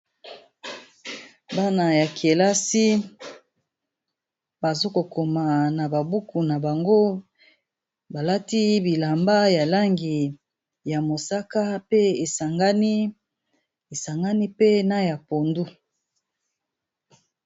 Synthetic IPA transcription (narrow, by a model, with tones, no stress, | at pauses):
ba˦na˨ja˨kʰe˨la˦si˦ | ba˨zo˦ko˨ko˨ma˨na˨ba˨bu˦ku˨na˨ba˨ŋɡo˦ | ba˨la˦ti˦bi˨la˨mba˦ja˨la˦ŋɡi˨ | ja˨mo˨sa˦ka˦pe˦e˨sa˨ŋɡa˦ni˦ | e˨sa˨ŋɡa˦ni˦pe˦na˦ja˨po˨ndu˦